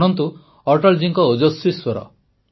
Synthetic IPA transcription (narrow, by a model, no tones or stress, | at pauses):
ɽ̃ɔnt̪u | ɔɾʈɔld͡ʒiŋkɔod͡ʒɔsɾiswɔɾɔ̰